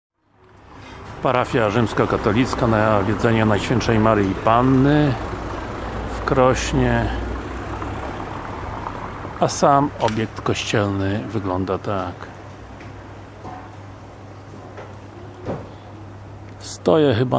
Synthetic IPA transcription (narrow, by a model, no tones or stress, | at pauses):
paɾafʲjaʐɘmskakat̪ɔlʲit̪skanavʲjɛd̪zɛɲanajɕfʲjɛntʂɛjmaɾjipanːɘ | fkɾɔɕɲɛ | asamɔbʲjɛk̚t̪kɔɕt͡ɕɛlnɘvɘɡlɔnd̪at̪ak | st̪ɔjɛxɘba